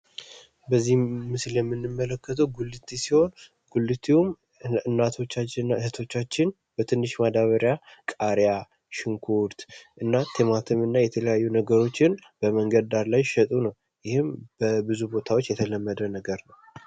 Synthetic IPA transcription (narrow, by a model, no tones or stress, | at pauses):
bəzːihmɨsljɛmːɨnːɨmːələkːət̪ʰəwɡulːɨt̪ʰːisiho̞n | ɡ̥ulːɨt̪ʰium | ɨnːat̪ʰo̞t͡ʃːat͡ʃːɪnːahɨt̪ʰo̞t͡ʃːat͡ʃːɪn | bət̪ʰɨnːɨʃmad̪aβəɾjakʼaɾja | ʃɪŋkʰuɾt̪ʔɨnːat̪ʰemat̪ʰɨmɨnːajɛt̪ʰələjajːunəɡəɾo̞t͡ʃːɪnbəməŋɡəd̪d̪aɾlajʃɛt̪ʼunəw | jɪhɪmb̥əbɨzubo̞t̪ʰawo̞t͡ʃːjɛt̪ʰələmːəd̪ənəɡəɾnəw